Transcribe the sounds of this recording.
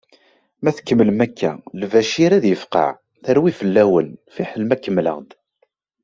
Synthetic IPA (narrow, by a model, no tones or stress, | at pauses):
mæθə̥kːəmːəlmækʰːæ̰lvæʃiɾæðjəfqɑ̰ʕ | θəɾwifəlːæwənfiħəlmækːəmːlə̰ʁd̪